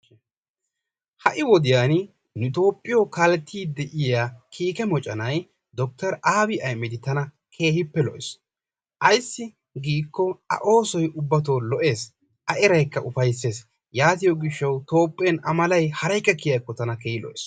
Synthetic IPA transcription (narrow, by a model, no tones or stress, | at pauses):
hɐʔɪwɔd̪ɪjaːn | nʊt̪o̞ːpʼːɪjokalɛt̪ʰːiːd̪ɛʔɪjaːkʰiːkɛmɔt͡ʃʼɐnɐj | d̪ɔk̚t̪ɐɾʔaːbɪʔɐjmːɛd̪ɪt̪ɐnɐ | kʰe̞ːhɪpːɛlɔʔɪs | ʔɐjsːɪ | ɡiːkːɔɐ̰ʔo̞ːsɔjʔʊbːɐt̪̬o̞ːlɔʔe̞ːs | ʔɐʔɪɾɐjkːɐʔʊfɐjs̬ːe̞ːs | jaːt̪ɪjɔɡɪʃːɐwt̪o̞ːpʼːeːnɐmɐlɐjhɐɾɐjkʼːɛkːɪjɐjkːɔt̪ɐnɐkeːhɪlɔ̰ʔɪs